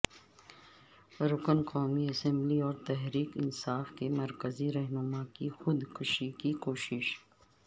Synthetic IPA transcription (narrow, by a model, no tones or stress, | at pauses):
ɾʊkənkɔːmiɐsɛ̃mbliɔːɾt̪ɛɦɾiːkɪnsaːfkemɐɾkəziɾɛɦnʊmakixʊd̪kʊʃikikoːʃɪʃ